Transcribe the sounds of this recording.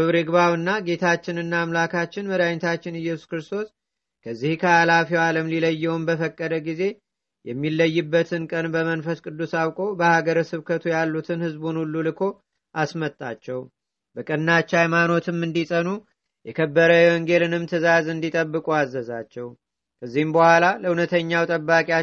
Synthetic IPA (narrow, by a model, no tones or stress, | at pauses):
ɨβɾɨɡbawɨnːaɡe̞t̪ʰat͡ʃːɪnɨnːaːmlakat͡ʃːɪnməd̪aɲt̪ʰat͡ʃːɪnɨjːɛsu̥skɾɨst̪ʰo̞s | kʰəzːihkʰəalafiwaləmliləjːɛwumbəfəkʼːəd̪əɡize̞ | jɛmːilːəjːɪbːət̪ʰɨnkʼənbəmənfəskʼɨd̪ːusawkʼo̞bəhaɡəɾəsɨβkʰət̪ʰujalːut̪ʰɨnhɨzbunulːulɨkʰo̞ | ʔasmət̪ʼːa̰t͡ʃːɛw | bəkʼɨnːat͡ʃːajmano̞t̪ʰɨmɨnd̪isʼənu | jɛkʰəbːəɾəwɔŋɡe̞lɨnɨmt̪ʰɨzazɨnd̪it̪ʼəbːɨkʼuazːəzat͡ʃːɛw | kʰəzːihɨmbəhʷalaləunət̪ʰəɲːawt̪ʼəbːakʼia